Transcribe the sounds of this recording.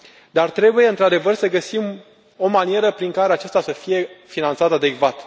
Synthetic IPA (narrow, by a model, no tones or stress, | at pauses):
d̪art̪ɾe̞buje̞ɨnt̪ɾad̪e̞vərsəɡəsim | o̞manie̞ɾəpɾiŋkaɾe̞at͡ʃast̪asəfije̞finant̪sat̪ad̪e̞ɡvat̪